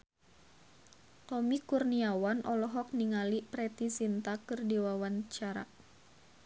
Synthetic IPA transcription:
t̪ɔmikurniawanʔɔlɔɦɔk̚niŋalipɾɛt̪isint̪akɨrdiwawant͡ʃaɾa̰

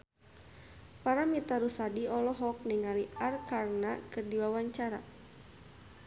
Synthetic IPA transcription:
paɾamit̪aɾusadiɔlɔɦɔk̚niŋaliʔarkarnakɨrdiwawaɲt͡ʃaɾa

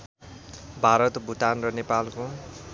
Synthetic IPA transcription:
bʱaɾʌt̪bʱut̪anrʌnepalko

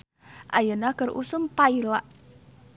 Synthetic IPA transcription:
ʔajənakərʔṵsʊmpailaʔ

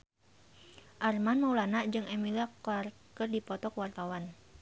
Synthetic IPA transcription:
ʔarmanmaulanaʔd͡ʒɨŋɛmilakarkərdipɔt̪ɔkwart̪awan

